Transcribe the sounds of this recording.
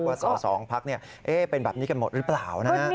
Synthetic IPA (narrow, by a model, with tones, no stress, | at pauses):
waː˧˩sɔː˨˦sɔː˩˦ŋpʰa˦˥k̚ni˥˩ɐ | ʔeː˦˥˩pe˧nbɛː˨˩p̚niː˦˥ka˧nmo˨˩t̪̚ɾɯː˦˥plaː˨˩wna˧˦˥